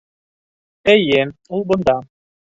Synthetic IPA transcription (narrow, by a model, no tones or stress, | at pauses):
ɛjːɘulˠbʊ̆nd̪ɑ